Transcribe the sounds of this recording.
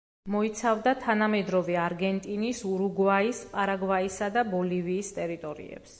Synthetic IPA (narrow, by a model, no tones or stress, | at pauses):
mɔit̪sʰavd̪at̪ʰanamɛd̪ɾɔvɛaɾɡɛnt̪ʼinisuɾuɡvaisqʼaɾaɡvaisad̪abɔliviːst̪ʼɛɾit̪ʼɔɾḭɛ̰ps